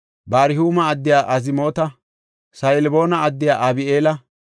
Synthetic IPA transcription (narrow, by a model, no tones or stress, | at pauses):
baːɾɪhuːmɐːd̪ːɪjaːʔɐzɪmo̞ːt̪ɐ | sɐjlbo̞ːnɐɐd̪ːɪjaːʔɐbɪeːlɐ